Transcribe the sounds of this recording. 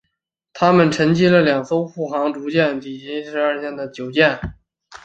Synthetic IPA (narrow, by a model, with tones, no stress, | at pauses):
t̪ʰa˥mə˨nʈ͡ʂʰə˧˥ŋt͡ɕi˥lə˨ljɑ˨˩ŋso˥ʊxu˥˩xɑ˧˥ŋʈ͡ʂu˧˥t͡ɕjɛ˥˩nt̪i˨˩t͡ɕi˥ʂɻ̩˧˥ə˞˥˧ɕjɛ˥˩nd̪ə˩t͡ɕjo˨˩ʊt͡ɕjɛ˥˩n